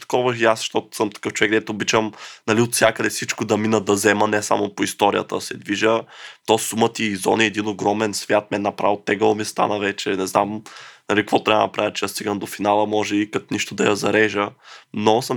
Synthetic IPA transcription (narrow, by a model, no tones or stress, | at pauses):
t̪ɐ̥kɔvəʃjasʃt̪ɔt̪ʊ̥səmt̪ɐ̥kɤft͡ʃʊvɛkɡd̪ɛt̪oobit͡ʃəmnɐliot̪sʲjakəd̪ɛfsit͡ʃkod̪ɐminəd̪ɐzɛmənɛsa̰mopoist̪ɔɾḭjə̰t̪ə̰sɛd̪viʒət̪ɔsumət̪iːzɔ̰niɛd̪inoɡɾɔmɛnsvʲjat̪̚mɛnnːɐpɾavot̪ɛɡɐomist̪a̰nəvɛt͡ʃɛnɛznamnɐlikvɔt̪ɾʲabə̰nɐpɾavʲət͡ʃɛjast̪iɡəmd̪ofinalˠəmɔʒɛikɐt̪niʃt̪oʊd̪ɐjɐzɐɾɛʒənosəm